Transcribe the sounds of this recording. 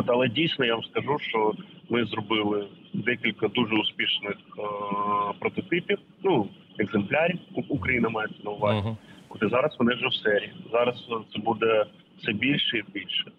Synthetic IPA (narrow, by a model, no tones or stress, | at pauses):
ot̪ɐlˠɛdʲijsʲnɔjaʋɐmskɐʒuʃt͡ʃɔmɪzrɔbɪlˠɪ | d̪ɛkʲilʲkɐd̪uʒɛʊspʲiʃnɪx | pɾɔt̪ɔt̪ɪpʲiw | nu | ɛɡzemplʲaɾʲiwukɾɐjinɐmɑjeɛt̪sʲɐnɐʊʋɑzʲiot̪ɛzɑɾɐsʋɔnɪwʒɛwsɛɾʲiizɑɾɐst̪sɛbud̪ɛ | fsɛbʲilʲʃɛibʲilʲʃɛ̥